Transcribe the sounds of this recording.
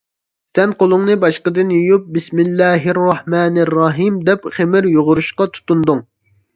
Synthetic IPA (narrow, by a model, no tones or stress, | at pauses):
sɛnqolˠʊŋnɨbɑʃqəd̪ɨnjojup̚bɪsmɪlːæːɦɪrːɑhmɛːnrːɑɦimd̪ɛpχemɪɾjoʁʊɾuʃqɑt̪ʰu̥t̪und̪uŋ